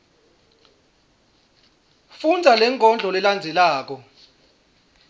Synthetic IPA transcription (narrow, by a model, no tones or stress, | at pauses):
fund͡zʱalɛŋʰʱʼɔnd͡ɮʱɔlɛland͡zʱɛlaːk̬ɔ